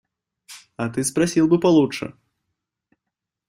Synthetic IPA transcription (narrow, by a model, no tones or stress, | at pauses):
ɐt̪ɨspɾasʲilˠbɨpalˠutʂɨ̰